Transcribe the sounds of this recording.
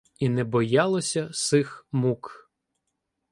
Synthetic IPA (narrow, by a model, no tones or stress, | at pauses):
inɛbɔjɑlˠɔsʲɐsɪxmuk